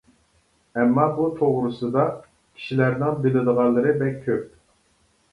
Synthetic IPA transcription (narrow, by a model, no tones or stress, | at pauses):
ɛmːɑbut̪ʰoʁɾɨsɨd̪ɑ | kʲʰi̥ʃilæɾnɪŋbɪlɪd̪əʁɑlˠːɨɾɨbɛkʲʰːøp̚